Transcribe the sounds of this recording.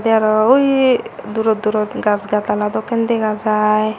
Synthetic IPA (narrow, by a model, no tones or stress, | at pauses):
d̪ɛaɾɔujd̪uɾɔt̪̚d̪uɾɔt̪ɡasɡat̪alad̪ɔkend̪eɡad͡zaj